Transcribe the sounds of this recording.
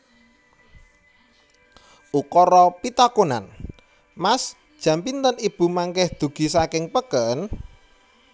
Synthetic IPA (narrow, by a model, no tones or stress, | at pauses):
ʔukɔɾɔpit̪akona̰n | mas | d̥ʒ̥a̤mpint̪ənib̥ṳmaŋkɛhd̪̥ṳɡ̥i̤sakɪŋpəkən